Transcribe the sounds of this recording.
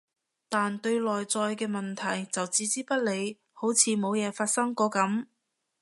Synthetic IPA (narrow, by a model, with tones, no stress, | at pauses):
t̪aː˨nt̪ɵ˧ɥlɔː˨˩jt͡sɔː˧jkɛː˧mɐ˨nt̪ʰɐ˨˩jt͡sɐ˨wt͡siː˨˥t͡siː˥pɐ˥t̚le˨˧j | ho˨˥wt͡sʰiː˨˧mo˨˧wjɛː˨˧faː˧t̚sɐ˥ŋkɔː˨˧˥kɐ˨˥m